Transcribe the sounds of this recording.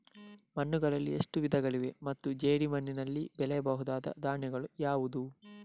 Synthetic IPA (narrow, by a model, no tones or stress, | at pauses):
mɐnːuɡɐɭɐlːḭeʂʈuʋid̪ɐɡɐɭiʋe̞mɐt̪ːud͡ʒeːɽimɐnːinɐlːibɛlɛjɐbɐɦud̪aːd̪ɐ̰d̪aːɳjɐɡɐɭujaːʋud̪u